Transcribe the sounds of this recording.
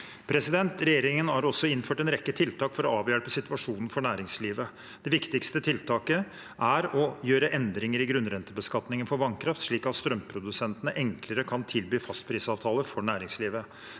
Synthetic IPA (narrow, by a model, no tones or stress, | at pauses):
pʰɾɛsɪd̪ɛnt̪ɾɛjeːɾɪŋənhɑɾɔsːɔɪnføːʈɛnɾɛkːət̪ʰɪlt̪ʰɑːkfɔɾɔɑːʋjœɽpəsɪt̪ʋɑʂuːnn̩fɔɳæːɾɪŋsliːʋə | d̪̥ɛʋɪkt̪ɪkst̪ət̪ʰɪlt̪ʰɑːkə | ʔæɾɔjøːɾəʔɛnd̪ɾɪŋəɾɪɡɾʉnɾɛnt̪əbəskɑt̪nɪŋənfɔɾʋɑŋkʰɾɑft̪ʂɭiːkɑt̪st̪ɾœmpʰɾʊd̪ʉsɛnt̪ənəʔɛŋkləɾəkʰɑnt̪ʰɪlbyːfɑst̪pʰɾiːsɑːʋt̪ʰɑːləfɔɳæːɾɪŋsliːʋə